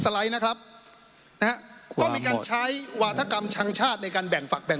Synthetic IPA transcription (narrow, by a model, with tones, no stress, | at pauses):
sa˧la˦˥jna˦˥kʰɾa˦˥p̚ | na˧˦ɦa˦˥ɔː˥˩˧iː˧kaː˧nt͡ɕʰa˦˥jwaː˧˦˩t̪ʰa˧ka˧mt͡ɕʰa˦˥ŋt͡ɕʰaː˥˩t̪̚na˧jkaː˧nbɛ˨˩ŋfa˨˩k̚bɛ˨˩